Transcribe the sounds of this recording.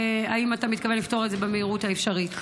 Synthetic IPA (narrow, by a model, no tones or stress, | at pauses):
aimatamitkavenlifto̞ʁezebemeiʁuthaefʃaʁit